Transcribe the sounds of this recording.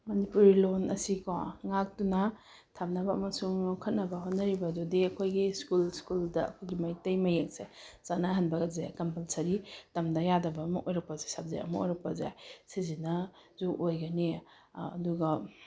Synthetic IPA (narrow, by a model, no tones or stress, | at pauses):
mɐnipuɾilonɐ̰sikɔŋak̚tunɐ | tʰap̚nɐbɐɐmɐsuŋkʰɐt̚nɐbɐɦotnɐɾibɐdudiɐkʰojɡiskulskuldɐɐ̰kʰojɡimɐjtɐjmɐjek̚sez̥anaɦɐnbɐɡɐzakɐmpɐlsɐɾitɐmdɐjadɐbɐːmɐ̰kʔojɾɐk̚pɐzajsap̚za̰jɐ̰mɐ̰o̰jɾɐk̚pɐza̰jsizinɐzuʔojɡɐnḭː | duɡɐ